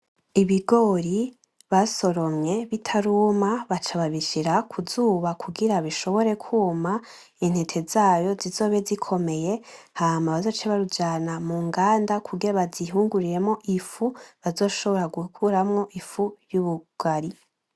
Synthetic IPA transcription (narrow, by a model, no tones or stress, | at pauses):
iβiɡo̞ɾi | βaso̞ɾo̞mɲe̞βitʰaɾuːmaβat͡ʃaβaβiʃiɾakʰuzuːβakʰuɡiɾaβiʃo̞βo̞ɾe̞kʰuːma | in̥hetʰe̞zaːjo̞zizo̞ːβe̞zikʰo̞me̞je̞ | haːmaβazo̞t͡ʃeβaɾud͡ʒaːnamuŋɡaːndakʰuɡeβaziɦuːŋɡuɾiɾe̞mŋo̞ʔifuβazo̞ːʃo̞βo̞ɾaɡukʰuɾamŋo̞ʔifujuːβuɡ̥aɾi